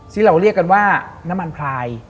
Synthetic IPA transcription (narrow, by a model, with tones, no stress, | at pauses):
siː˥˩ɾa˧wɾi˥˩əkːa˧nwaː˥˩na˦˥ma˧npʰɾaː˧j